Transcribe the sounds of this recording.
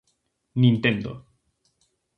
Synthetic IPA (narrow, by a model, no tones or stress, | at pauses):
nĩnt̪ẽnd̪o̰